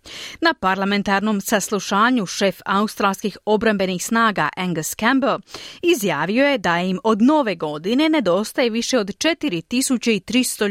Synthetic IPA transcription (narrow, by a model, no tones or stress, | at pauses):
napaɾlˠame̞nt̪aɾno̞msaslˠuʃaːɲuʃe̞faust̪ɾalˠskixo̞bɾambe̞nixsnaːɡa̰ʔeŋɡskamblizjaːʋio̞je̞d̪aimo̞d̪no̞ːʋe̞ɡo̞d̪ine̞ne̞d̪o̞ːst̪aje̞ʋiʃe̞o̞d̪t͡ʃe̞t̪iɾit̪isut͡ɕeit̪ɾist̪o